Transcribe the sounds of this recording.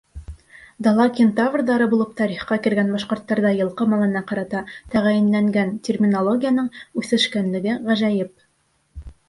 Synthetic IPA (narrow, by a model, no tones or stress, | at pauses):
d̪ɑlˠɑkʲent̪avrd̪ɑɾɤbulˠɤp̚t̪ɑɾiχqɑkɘ̆ɾɡænbɑʃqŏɾt̪ːɑɾðɑjɤ̆lˠqɤmɑlˠɤ̆nɑqɑɾɑt̪ɑt̪æʁæjɘ̆nlæŋɡæntʲermʲinolˠoɡʲijanɤɴʉθɘ̆ʃkænlɘ̆ɡɘʁæʒæjɘp̚